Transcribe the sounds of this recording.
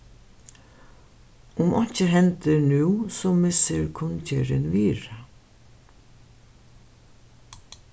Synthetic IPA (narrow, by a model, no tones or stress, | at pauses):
ʊmʔɔɲcəɦɛnt̪ənʉːsɔːmɪsəɾkʰʊncəɾɪnʋiːɾa